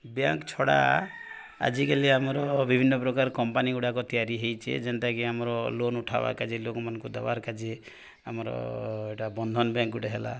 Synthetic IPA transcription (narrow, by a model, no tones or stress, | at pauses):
bjaŋkt͡ʃʰɔɽa̰ | a̰d͡ʒikaliamɔɾɔbibʱinːɔpɾɔkaɾkɔmpaniɡuɽakɔt̪ijaɾiɦejt͡ʃʰḛd͡ʒent̪akiamɔɾɔlonuʈʰa̰ba̰ɾkad͡ʒelokɔmanɔŋkud̪ḛba̰ɾkad͡ʒe | amɔɾɔ̰eʈabɔnd̪ʱɔnɔbjaŋkɡuʈeɦela̰